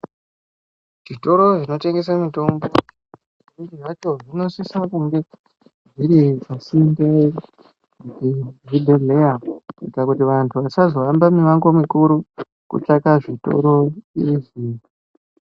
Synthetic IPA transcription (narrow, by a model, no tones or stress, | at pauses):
ʐ̥ito̞ɾo̞ʐino̞te̞ŋɡe̞s̬amito̞mbo | iriʐat͡ʃo̞ʐino̞sisakuŋɡe̞ | ʐiɾipasinde | kutiʐidʱeleakikakutiʋantʰuʋat͡ʃazo̞ambamiʋaŋɡomikuɾu | kṵt͡ʃakaʐito̞̰ɾo̞iriʐiːri